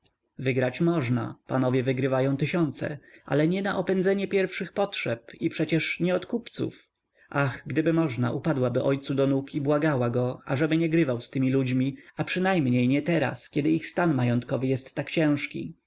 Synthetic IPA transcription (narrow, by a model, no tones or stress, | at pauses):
vɘɡɾat͡ɕmɔʐna̰panɔvʲjɛvɘɡɾɘvajɔ̃w̃t̪ɪɕɔnt̪sɛ̰ʔa̰lɛɲɛnaʔɔpɛnd̪zɛɲɛpʲjɛɾfʂɘxpɔtʂɛpipʂɛt͡ɕɛʂɲɛɔt̪kupt̪sṵf | ʔaxɡd̪ɘbɘmɔʐna̰ʔupad̪wabɘʔɔjt̪sud̪ɔnukibwaɡawaɡɔa̰ʐɛbɘɲɛɡɾɘvawst̪ɘmʲilud͡ʑmʲiapʂɘnajmɲejɲɛt̪ɛɾa̰skʲɛd̪ɘixst̪anmajɔnt̪kɔvɘjɛst̪ːakt͡ɕɛ̃w̃ʂkʲḭ